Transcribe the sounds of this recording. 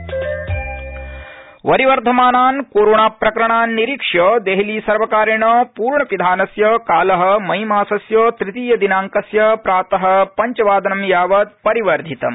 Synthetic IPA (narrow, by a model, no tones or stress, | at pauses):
ʋɐɾiʋɐɾt̪ʰɐmaːnaːnkoːɾoːɳaːpɾɐkɐɾɐɳaːnːiɾikʂɐd̪eɦiliːsɐɾʋɐkaːɾɐɳɐpuːɾɳɐpid̪ʱaːnɐsjɐkaːlɐɦɐ̆mɐɦimaːsɐsjɐt̪ɾit̪iːjɐd̪inaːŋkɐsjɐpɾaːt̪ɐɦɐ̆pɐɲt͡ʃɐʋaːd̪ʱɐnɐmjaːʋɐd̪̚pɐɾiʋɐɾd̪ʱit̪ɐ̰m